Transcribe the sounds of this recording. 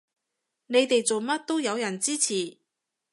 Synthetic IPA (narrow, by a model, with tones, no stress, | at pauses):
ne˨˧jt̪e˨jt͡so˨wmɐ˥t̚t̪o˥wjɐ˨˧wjɐ˨˩nt͡siː˥t͡sʰiː˨˩